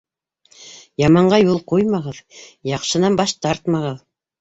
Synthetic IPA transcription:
jɑmɑɴɢɑjulˠqojmɑʁɤðjɑqʃɤ̆nɑmbɑʃt̪ɑɾt̪mɑʁɤð

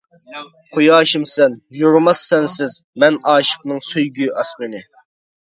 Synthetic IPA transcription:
qʰojɑːʃimsɛnjuɾmɑsːɛnsɪzmɛnɑːʃə̥q̚nɨŋsøjɡʲyɑsmɪnɪ

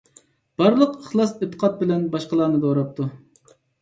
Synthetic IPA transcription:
b̥ɑɾlˠəqəχlˠɑset̪ʰːə̥qʰɑt̪̚bɪlɛnbɑʃqəlˠɑːnɨd̪oɾɑp̚t̪ʰu

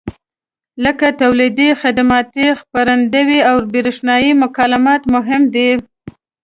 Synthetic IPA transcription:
ləkat̪awlid̪ixɪd̪amɑt̪ixpaɾand̪əwiawbiɾɪʃnɑjimʊkɑlamɑt̪mʊɦɪmd̪i

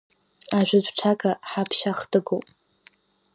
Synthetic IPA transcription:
aʒʷᶣadʷʈ͡ʂʰakaħapʰʃaχdɨɡopʼ

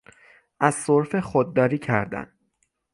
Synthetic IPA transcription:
ʔæz̥soɾfexod̪̚ːɒːɾiːcʰæɾd̪æ̰n

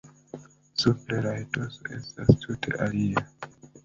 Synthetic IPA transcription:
supleɾajtoso̰ʔe̞̰stastʰutʰe̞̰ʔalia

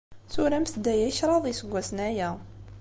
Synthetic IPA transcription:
θuɾæmsd̪ːæjæjʃɾˤɑðˤisəɡʷːæsənæjæ

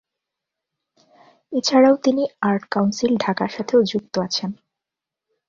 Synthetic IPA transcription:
et͡ɕʰaɽaot̪iniaɾʈkawnsilɖʱakaɾʃat̪ʰeod͡ʑuk̚t̪oat͡ɕʰen

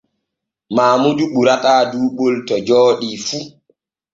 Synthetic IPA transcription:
maːmuduɓuɾataːduːɓoltɔd͡ʒɔːɗifu

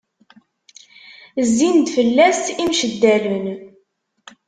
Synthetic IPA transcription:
zːind̪fəlːæst̪imʃəd̪ːælən

